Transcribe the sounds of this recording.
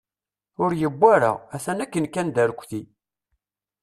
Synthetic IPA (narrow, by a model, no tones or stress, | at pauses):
ʊɾjəbːaɾa̰æθænækːənkːænd̪æɾkʷːθi